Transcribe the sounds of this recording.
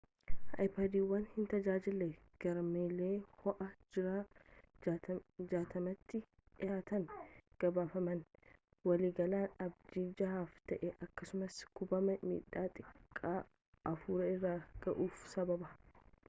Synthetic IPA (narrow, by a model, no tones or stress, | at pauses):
ɐ̰jpaːd̪iːwːɐnhɪnt̪ɐd͡ʒaːd͡ʒɪlːɛ | ɡ̥ɐɾmeːleːhɔʔɐd͡ʒɪɾaː | d͡ʒaːt̪ɐmɐt̪ːɪ | ʔɪjaːt̪ɐnɡ̥ɐbaːfɐmɐn | wɐliːɡɐlaːnɐbd͡ʒ̪iːd͡ʒɐhaːft̪ɐʔɛʔɐkːɐsʊmɐskʊbɐmɐmḭːᶑːaːt̪ʼɪkʼːaː | ʔɐfuːɾɐɪrːaːɡ̥ɐʔuːfsɐbɐbɐ